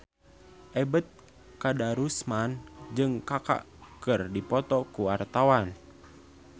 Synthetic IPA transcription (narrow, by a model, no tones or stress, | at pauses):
ʔɛbət̪̚ | kadaɾusmand͡ʒɨŋkaka̰ʔ | kɨrdipɔt̪ɔkuwart̪awan